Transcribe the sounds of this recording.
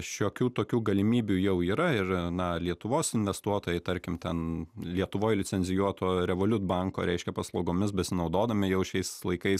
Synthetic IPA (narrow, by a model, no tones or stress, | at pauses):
ʃʲoːkʲuːt̪oːkʲuːɡɐlʲɪmʲiːbʲujɛʊiːɾɐɪrnɐlʲiɛt̪ʊʋoːsɪnʲʋʲɛst̪uɔt̪oːjɛɪt̪ɐɾʲkʲɪmt̪ʲɛnlʲiɛt̪ʊʋoːjlʲɪt͡sʲɛnʲzʲɪjuɔt̪oːɾʲɛʋoːlʲʊt̪bɑŋko̰ːɾʲɛɪʃʲkʲɛpɐslˠɐʊɡoːmʲɪs̬bʲɛsʲɪnɐʊd̪oːd̪ɐmʲɪjɛʊʃʲɛɪslˠɐɪkɐɪs